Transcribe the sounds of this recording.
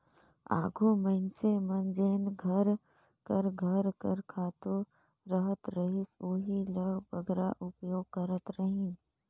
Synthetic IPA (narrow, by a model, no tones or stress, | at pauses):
a̰ːɡʱuməɪnsemənd͡ʒeːnɡʱəɾ | kəɾɡʱəɾkəɾkʰaːt̪u | ɾəɦət̪ɾəɦɪsoːɦiləɡbəɡɾa̰ʔʊpjoːɡ̚kəɾət̪ɾəɦĩː